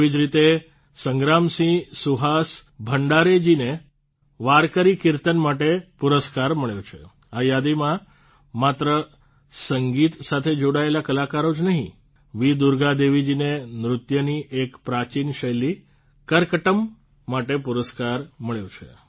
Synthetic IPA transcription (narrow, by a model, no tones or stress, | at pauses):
id͡ʒɾit̪e | səŋɡɾamsĩsuɦasbʱəɳɖaɾed͡ʒine | ʋaɾkəɾikiɾt̪ənmaʈepuɾəskaɾməɭjot͡ʃʰḛ | ajad̪imã | mat̪ɾə | səŋɡit̪sat̪ʰed͡ʒoɽaelakəlakaɾod͡ʒnəɦḭ̃ | ʋid̪uɾɡad̪eʋid͡ʒinenɾʊt̪jəniʔekpɾat͡ʃinʃəjli | kəɾkəʈəmː | aʈepuɾəskaɾməɭjõt͡ʃʰḛ